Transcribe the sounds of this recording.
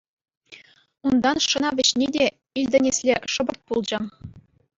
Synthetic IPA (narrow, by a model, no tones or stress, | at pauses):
und̪ɑnʂɤ̆nɑʋʲɘ̆ɕnʲedʲe | ilʲd̪ʲɘ̆nʲesʲlʲeʂɤ̆bɤ̆rt̪̚pulˠd͡ʑɤ̆